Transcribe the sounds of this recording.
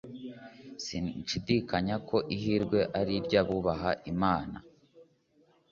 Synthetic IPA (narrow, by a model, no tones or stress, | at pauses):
siʃidiːkaɲakʰo̞ʔiɦiɾɡwe̞ʔaɾiɾɟaβuβaɦaʔimaːna̰